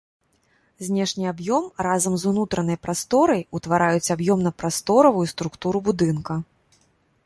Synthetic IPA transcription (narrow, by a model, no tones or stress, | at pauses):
zʲnʲɛʂnʲiabjɔmrazɐmzunut̪ɾɐnɐjpɾast̪ɔɾɐjut̪vaɾʔajut͡sʲabjɔmnɐpɾast̪ɔɾɐvujust̪ɾukt̪uɾubud̪ɨnkɐ